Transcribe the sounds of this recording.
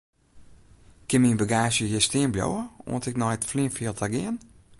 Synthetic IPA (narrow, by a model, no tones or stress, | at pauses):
kɪnminbəɡaːsjəjɛstiənbljo̰wəo̰əntɛknɔjtflinfiəlˠtʰaɡɪən